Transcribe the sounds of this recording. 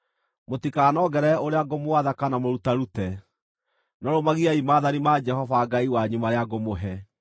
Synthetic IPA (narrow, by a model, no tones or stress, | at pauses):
motikaːnɔɡɛɾɛoɾeaɡomoaðakanamoɾutaɾutɛ | nɔɾomaɣiaimaːðanimaːd͡ʒɛhɔvaɡaiwaɲumaɾeaɡomoɦɛ